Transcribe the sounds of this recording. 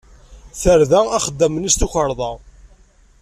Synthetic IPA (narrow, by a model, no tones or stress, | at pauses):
θəɾðææχəd̪ːæmənist̪uçəɾˤðˤɑ